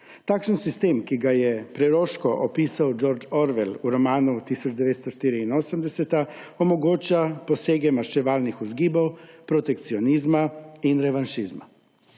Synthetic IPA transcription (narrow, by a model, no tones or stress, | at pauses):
t̪aːkʃənsist̪eːmkiɡajɛpɾɛɾoːʃkɔʔɔpiːsawd͡ʒoɾd͡ʒɔɾʋɛluɾɔmaːnut̪iːsɔd͡ʒd̪ɛʋeːt̪st̪ɔʃt̪iːɾiinoːsəmd̪ɛsɛt̪aɔmɔɡoːt͡ʃapɔseːɡɛmaɾt͡ʃɛʋaːlnixuzɡiːbɐwpɾɔt̪ɛkt̪siɔniːzmainɾɛʋanʃiːzma̰